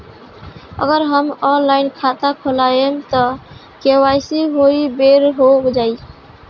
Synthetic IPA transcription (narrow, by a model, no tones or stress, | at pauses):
ə̰ɡəɾɦəmɔnlaɪnkʰat̪akʰolajemt̪ɔ | kewajsiɦoibeɾɦokd͡ʒai